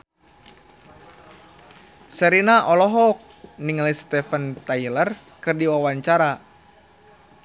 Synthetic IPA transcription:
səɾinaʔɔlɔɦɔk̚ | niŋlist̪ɛfənt̪ajlər | kɨrdiwawaɲt͡ʃaɾa

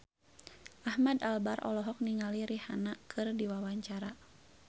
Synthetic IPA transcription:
ʔahmadalbarʔɔ̰lɔɦɔk̚niŋaliɾihanakʰɨrdiwawaɲt͡ʃaɾa

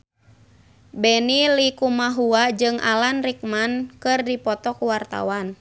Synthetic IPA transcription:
bɛnilikumaɦuad͡ʒɨŋʔa̰lanrik̚mankɨrdipɔt̪ɔkuwart̪a̰wan

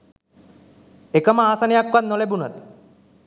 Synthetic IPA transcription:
ekəməaːsanejakʋat̪nolebunat̪

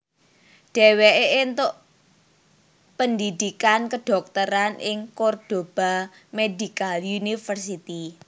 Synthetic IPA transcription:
ɖ̥ɛ̤weʔeʔent̪ʊʔ | pənd̪id̪ikankəɖ̥ɔ̤k̚t̪əɾanɪŋkord̥o̤b̥a | medikaljunifərsit̪i

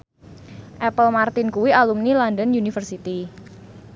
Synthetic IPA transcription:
ʔɛpəlmart̪ɪnkuwialumnilɔndənjunifərsit̪i

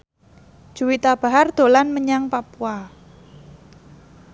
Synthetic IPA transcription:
ʒ̥ṳwit̪ab̥a̤ɦard̪̥o̤lanməɲaŋpapua

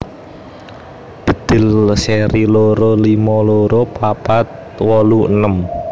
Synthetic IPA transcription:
b̥ə̤d̪̥ɪ̤lseɾiloɾolimɔloɾopapat̪̚ | wɔluənəm

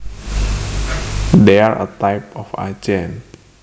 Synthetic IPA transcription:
dɛaɹə̰t̪ajpɔfa̰d͡ʒɛ̃n

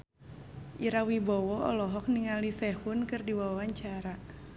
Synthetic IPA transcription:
ʔiɾawibɔwɔɔ̰lɔɦɔk̚niŋalisɛhunkɨrdiwawawaɲt͡ʃaɾa

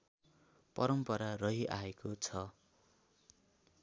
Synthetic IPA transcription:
pʌɾʌmpʌɾarʌɦiʔaekot͡sʰʌ

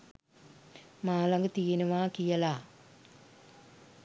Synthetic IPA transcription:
maːlɐŋɡət̪ijɐnuʋaːkijɐlaː

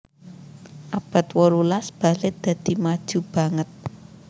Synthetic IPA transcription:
ʔab̥a̤t̪̚wɔɾulasb̥a̤lɪd̪̥ä̤d̪̥i̤mad̥ʒ̥ub̥a̤ŋət̪̚

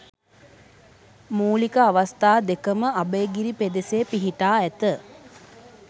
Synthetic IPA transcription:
muːlikəaʋast̪aːd̪ekəməabəːɡiɾiped̪eseːpiɦiʈaːæt̪ə

